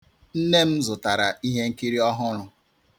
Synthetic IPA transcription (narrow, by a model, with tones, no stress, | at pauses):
n̩˦ne˦m̩˦zʊ˨ta˨ɾa˨ʔi˦ɦe˦ŋ̩˦ki˦ɾi˦ɔ˦ɦʊ˦ɾʊ˨